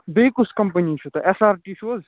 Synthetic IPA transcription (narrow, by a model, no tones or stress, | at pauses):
b̪ekuskɐmpəniːt͡ʃʰut̪ɐʔesaːɾʈiːʃoːz